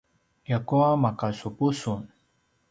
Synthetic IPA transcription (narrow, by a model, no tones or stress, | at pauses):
jakuamakasʊpʊsʊn